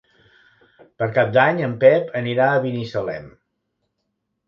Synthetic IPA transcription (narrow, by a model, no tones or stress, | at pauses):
pəɾkap̚d̪aɲəmpɛpʰəniɾaəβinisəlɛ̰m